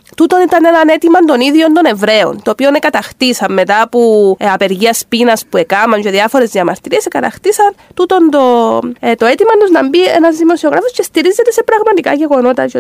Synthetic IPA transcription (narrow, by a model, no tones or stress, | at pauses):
t̪ut̪o̞nit̪ɐne̞nɐne̞t̪imɐnd̪o̞niðjo̞nd̪o̞ne̞vɾe̞o̞̰nt̪o̞ːpionekɐt̪ɐxt̪isɐmːe̞t̪ɐpuɐpe̞ɾʝiɐspinɐspue̞kɐmɐɲceðiɐfo̞ɾe̞zðiɐmɐɾt̪iɾiesekɐt̪ɐxt̪isɐnt̪ut̪ond̪ot̪o̞et̪imɐnd̪uznɐmbiḛnɐzðimo̞sio̞ɣɾɐfosce̞st̪iɾizːe̞t̪e̞se̞pɾɐɣmɐt̪ikɐ̰ʝe̞ɣo̞no̞t̪ɐt͡ʃo